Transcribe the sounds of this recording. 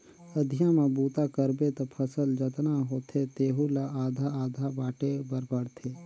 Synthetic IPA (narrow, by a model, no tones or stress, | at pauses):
əd̪ʱɪjãmãbuːt̪akəɾbet̪opʰəsəld͡ʒət̪naɦoːt̪ʰet̪eːɦulaaːd̪ʱaaːd̪ʱabaːʈebəɾbəɽt̪ʰeː